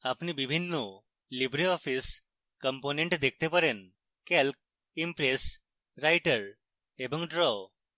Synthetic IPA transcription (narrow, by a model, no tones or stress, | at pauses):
apnibibʱinːo | libɾiɔfis | kəmponeɳʈd̪ek̚ʰt̪epəɾen | kelk̚ | impɾes | ɾajʈəɾ | ebə̃ŋɡɖɾɔ